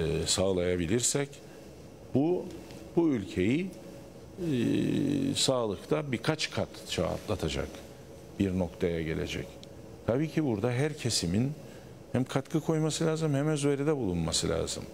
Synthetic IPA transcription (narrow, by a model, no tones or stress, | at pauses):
saːlˠajabilʲiɾsɛc | bu | b̥uylʲcʰe̞ji | saːlˠɯkt̪ʰabikʰat͡ʃkʰat̪t͡ʃʰa̰a̰t̪lˠat̪ʰad͡ʒa̰k | b̥iɾno̞kt̪ʰajaɟe̞̰lʲe̞̰d͡ʒɛ̰c | t̪ʰabiːcʰibuɾd̪aɦæɾcʰe̞simin | hæmkʰat̪kʰɯkʰo̞jmasɯlʲaːzɯmhɛmɛnzyveɾid̪ɛbulˠunmasɯlʲa̰ːzɯ̰m